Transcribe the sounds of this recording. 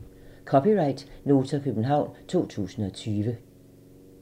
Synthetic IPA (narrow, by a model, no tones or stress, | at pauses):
kʰɒpiʁɑ̈ɪd̥no̝ːt͡sʰɐkʰøb̥n̩ɦɑ̈ʊ̰nt͡sʰo̝̰ːt͡sʰṵːsn̩ɒ̽t͡sʰyːʋə